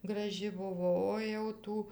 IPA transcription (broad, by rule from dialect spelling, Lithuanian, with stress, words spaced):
ɡrɐˈʒʲɪ ˈbʊʋoː oː jɛʊ ˈtuː